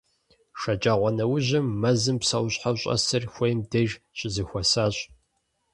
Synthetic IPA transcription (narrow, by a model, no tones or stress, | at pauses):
ʂɐt͡ʃʼaːʁʷɔnɐwʊʑɪmːɐzɨmpsɐwɕħawɕʼɐ̰sɐrxʷejmdɐʒɕʼɪzɨxʷɐsaːɕʼ